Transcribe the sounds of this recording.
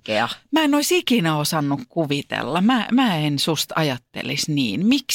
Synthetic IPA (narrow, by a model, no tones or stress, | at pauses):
eɑmæːenoisikinæosɑnːukkuʋit̪ḛlːɑmæːmæːensust̪ɑjɑt̪ːḛlisniːnmiks